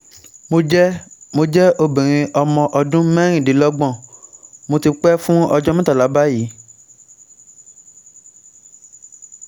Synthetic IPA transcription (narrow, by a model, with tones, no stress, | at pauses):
mo˧d͡ʒɛ˦mo˧d͡ʒɛ˦o˧˨bĩ˨ɾ̃ĩ˧ʔɔ˧mɔ̃˧ʔɔ˧dũ˦mɛ̃˦ɾ̃ĩ˦˨di˨˦lɔ˦ɡ͡bɔ̃˦˨mo˧ti˧k͡pɛ˦fũ˦ɔ˧d͡ʒɔ˦mĩ˦ta˦˨la˨˦ba˦ji˨˦